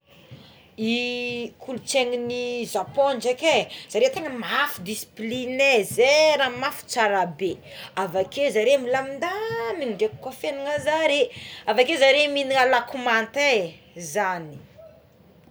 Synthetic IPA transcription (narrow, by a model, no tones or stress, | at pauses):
ikʰulut͡seŋinizapond͡ʒakez̥aɾet̪eŋəmafud̪isi̥plinezeɾamafu̥t͡saɾabe | avakezaɾemilamind̪amindeku̥kafeniŋazaɾeavakezaɾeminiŋalakumant̪e | zani̥